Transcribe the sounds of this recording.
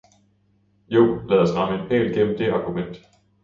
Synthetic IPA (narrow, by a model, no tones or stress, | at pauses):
jo̝ʊ̰lɛð̞ˠɒsʁɑ̈məe̝npʰḛːlɡ̥em̰m̩d̥e̝ɑ̈ɡ̥umen̰d̥